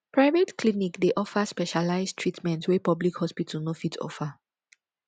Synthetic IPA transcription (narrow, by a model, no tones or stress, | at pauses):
pɹaɪvetkʰlinikdeʔɔfəspɛʃalaɪztʰɹitmɛ̃ntwɛpɔblikhɔspitʰəl̩nofitɔ̰fə